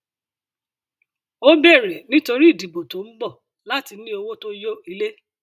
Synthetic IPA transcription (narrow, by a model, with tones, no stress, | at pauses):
o˦bɛ˦˨ɾɛ˨nĩ˦to˧ɾi˦i˦˨di˨bo˨to˨˦m̩˦bɔ˦˨ | la˨˦ti˧˦nĩ˦o˧wo˦to˦jo˦i˧le˦